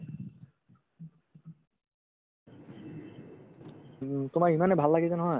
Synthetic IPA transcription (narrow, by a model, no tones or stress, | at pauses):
t̪omaɹimanebʱalːaɡit̪enɔɦɔe